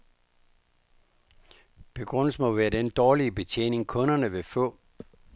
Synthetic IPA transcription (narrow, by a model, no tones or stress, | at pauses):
b̥e̝ɡ̥ʁɔ̽n̰l̩səmɒ̽ʋæːɐd̥end̥ɒːliəb̥e̝t͡sʰḛːne̝ŋkʰɔ̽nɐnəʋe̝fɔ̰̽ː